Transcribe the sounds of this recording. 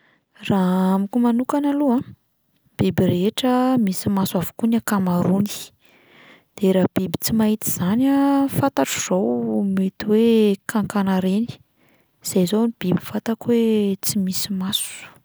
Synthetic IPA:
raamikumanukanaluã | b̥ibireʈ͡ʂəmisimasuavu̥kunakamaɾuni̥ | d̪̥eɾab̥ibi̥t͡simaɦit̪iz̥anafat̪aʈ͡ʂu̥z̥owmet̪iwekʰaŋkanaɾeni̥ | z̥ejzonib̥ibifat̪akwet͡simisimasu̥

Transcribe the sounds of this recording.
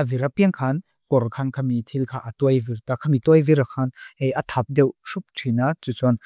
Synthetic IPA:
ʔaviɾapiəŋkʰan | kɔɾkʰankʰamit̪ʰilkʰaʔat̪ɔjviɾt̪akʰamit̪ɔjviɾakʰanhejʔat̪ʰap̚dɛwsup̚tʰinat͡sut͡sɔn

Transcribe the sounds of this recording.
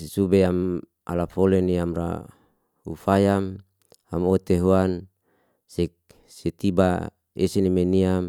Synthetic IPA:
subeam | a̰lafoleniamra̰ | ṵfajam | amot̪eɦuan | sek̚ | set̪iba | esenimeniam

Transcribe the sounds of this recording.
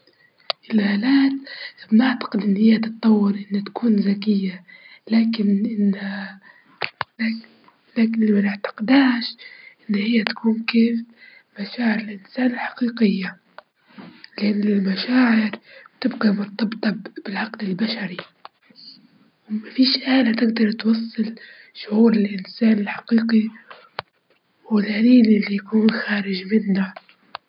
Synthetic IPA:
ʔɪlhaːlaːt̪bnɪʕt̪ḁqɪd̪ʔɪnːhɪjːat̪ɨt̪ˤːɑwːɪɾʔɪnːat̪ḁkuːnzakɪjːalaːkɪnʔɪnːa | laːkɪnlamanɪʕt̪ḁqɪd̪aːʃʔɪnːhɪjːat̪ḁkuːnkeːf | maʃaːʕɪɾɪlʔɪnsaːnɪlħɑ̥qiːqɪjːa | lɪʔanːɪlmaʃaːʕɪɾt̪ɪbqimʊɾt̪ɑbt̪ˤɑbb̥ɪlʕɑqd̪ɪlbaʃaɾi | wmafiːʃʔaːlat̪ɪɡd̪ɑɾˤt̪wɑsˤːɨl | ʃʊʕuːɾɪlʔɪnsaːnɪlħḁqiːqi | wɪlʔaliːlɪlːijakuːnxaːɾɪʒmɪnːa

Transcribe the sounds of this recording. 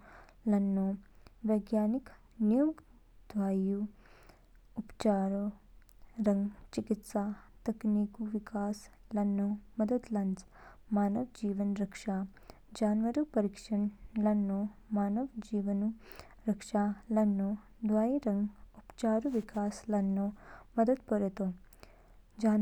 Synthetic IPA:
lɐnːoːʋɐjɡjaːnik | nijuːɡ | d̪̥ʋaːju | upt͡ʃaːɾo | ɾɐŋɡt͡ʃikit̪saːt̪ɐkniːkuʋikaːslɐnːoːmɐd̪ɐt̪lɐns | maːnɐʋd͡ʒiːʋɐnɾɐkʂa | d͡ʒaːnʋɐɾupɐɾikʂɐɳlɐnːomaːnɐʋd͡ʒiːʋɐnu | ɾɐkʂalɐnːo | d̪ʋaːjiɾɐŋɡupt͡ʃaːɾuʋikaːslɐnːomɐd̪ɐd̪pɐɾt̪o | d͡ʒaː

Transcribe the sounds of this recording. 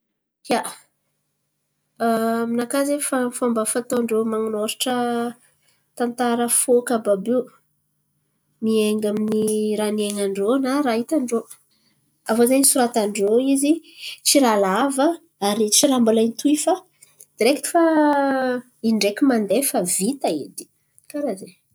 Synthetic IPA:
jaʔ | minakazefafambafat̪oɳɖ͡ʐomaŋunoɾaʈ͡ʂə | t̪ant̪aɾəfokababe | mieŋɡaminiɾanieŋaɳɖ͡ʐonaɾait̪aɳɖ͡ʐo | avozajnisuɾat̪aɳɖ͡ʐoizit͡ʃiɾalavə | aɾit͡ʃiɾambulajnit̪uifa | d̪̥iɾekii̥fa | iɳɖ͡ʐekʲimand̪efavit̪aḭd̪i̥ | kaɾaze

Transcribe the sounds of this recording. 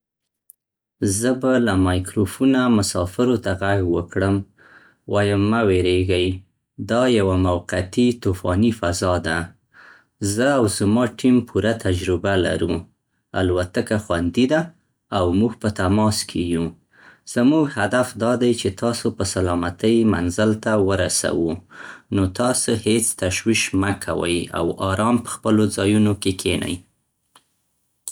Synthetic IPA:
zəbalamɑjkɾofunamʊsɑfɪɾot̪aɣaɡwəkɽəm | wɑjəmːaweɾeɡaj | d̪ɑjawamawqat̪it̪ufɑnifazɑd̪a | zəawzmɑʈimpʰuɾat̪ad͡ʒɾɪbala̰ɾu | alwat̪əkaxwand̪id̪aː | wmuɡpət̪amɑskʰeju | z̥amuɡhad̪afd̪ɑd̪ajt͡ʃet̪ɑsopəsalɑmat̪əjma̰nzəlt̪awəɾasa̰wunot̪ɑsohet͡st̪aʃwiʃməkʰa̰wə̰ja̰wɑɾɑmpə̥xpəlod͡zɑjunokekʰena̰j

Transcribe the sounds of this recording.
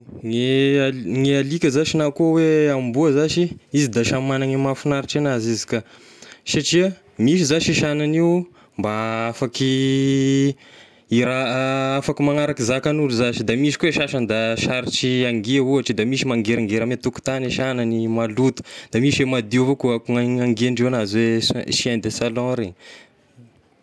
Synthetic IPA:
ŋe | ŋealikʲəzaʃinakuəweambuəzaʃiizid̪aʃammanaŋimafinaɾiʈ͡ʂanazizi̥ka | ʃaʈ͡ʂia | miʃizaʃiʃananiu | mbaafaki | iɾaafakimaŋaɾakizakanuluzaʃid̪amiʃi̥kueʃaʃand̪aʃaɾiʈ͡ʂiaŋɡiaɦuaʈ͡ʂid̪amisimaŋɡeɾaŋɡeɾamet̪uku̥t̪aniʃananimalut̪u̥d̪̥amiʃemad̪ivokuakuŋaaŋɡeɳɖ͡ʐiwanazweʃiand̪esalɔ̃ɾeɲ

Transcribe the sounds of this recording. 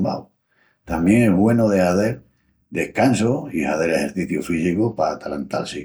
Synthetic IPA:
a̰w | t̪amje̞ŋeɦβwe̞noðeaθe̞ɾ | d̪e̞hkansoihaθe̞ɾehe̞ɾθiθjufisikopat̪alant̪a̰lsi

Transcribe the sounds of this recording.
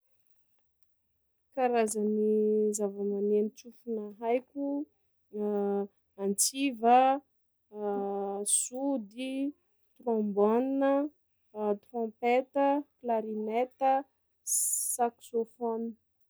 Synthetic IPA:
kaɾazənizavəmanenit͡sufunaɦajkʲu | ant͡sivə | sud̪i | t̪rɔ̃mbɔninə | t̪rɔ̃pet̪əklaɾimet̪ə | saksofoni̥

